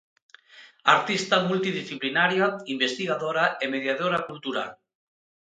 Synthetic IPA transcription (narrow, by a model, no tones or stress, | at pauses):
aɾt̪ist̪amult̪iðisθiplinaɾjaimbest̪iɣaðoɾaemeðjaðoɾakult̪uɾa̰l